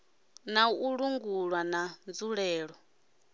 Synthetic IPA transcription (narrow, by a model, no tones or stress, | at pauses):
nauɺuŋɡuɺwanand͡zuɺɛːɺɔ